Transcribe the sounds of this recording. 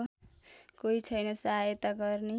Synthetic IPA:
koit͡sʰʌjnʌsaɦajʌt̪aɡʌrne

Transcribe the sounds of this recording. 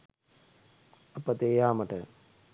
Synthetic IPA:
ɐpːɐt̪eːjaːmɐʈɐ

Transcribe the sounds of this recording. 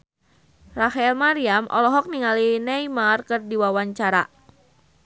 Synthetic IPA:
rafaɛlmaɾiamʔɔ̰lɔɦɔk̚niŋalinɛjmarkərdiwawaɲt͡ʃaɾa̰

